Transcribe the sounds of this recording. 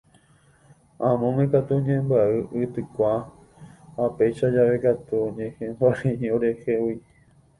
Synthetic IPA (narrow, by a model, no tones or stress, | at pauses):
ãmõŋẽkat̪uɲẽmbaɨʔɨt̪ɨkʷa | hapejʃad͡ʒaʋe̞kat̪uɲẽhẽmbaɾĩɲĩoɾehewi